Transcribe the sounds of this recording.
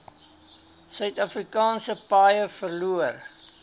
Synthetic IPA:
sœɥtɐfrikɑːnsəpɑːjəfərluər

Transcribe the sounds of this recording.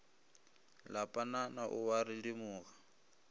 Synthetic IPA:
lapʼananaʔʊwaɾilimʊːɣa

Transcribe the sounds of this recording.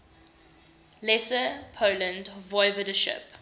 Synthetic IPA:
lɛsəpʰoʊlə̃ndvɔɪvədəʃɪ̰p

